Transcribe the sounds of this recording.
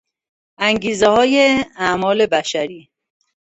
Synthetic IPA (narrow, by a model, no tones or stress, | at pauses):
æŋɡiːzehɒːjeæmɒːle̞bæʃæɾiː